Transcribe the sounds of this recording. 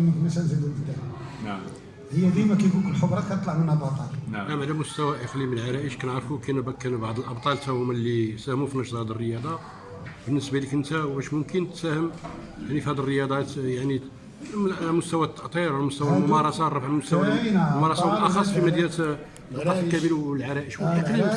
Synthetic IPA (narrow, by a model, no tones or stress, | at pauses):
mmæsænzəd̪uləfd̪æ | həjːæd̪imækæjɡukəlħobɾˤɑkænt̪ˤlɑʕmənəbɑt̪ˤɑlʔæmʕalæmʊst̪æwæʔəqliməlʕaɾæʔəʃkænəʕɾˤfukænbækːænubaʕd̪ˤəlʔɑbt̪ˤɑlt̪æhʊmælːisæhmufinɑʃd̪ˤhæd̪ərːəjɑd̪ˤɑ | bənːəsbælikənt̪æwbæʃmʊmkənt̪sæhəm | jaʕnifihæd̪ərːəjɑd̪ˤɑt̪jaʕni | mʊst̪æwæt̪ːɑʔt̪ˤiɾʕlæmʊst̪æwælmʊmɑɾˤɑsɑrˤːɑfʕmʊst̪æwæmʊmɑɾˤɑsˤɑwʔɑxɑsˤfimæd̪jiɾt̪ː | qɑt̪ˤkæbiɾlʕaɾˤæʔəʃwəqlim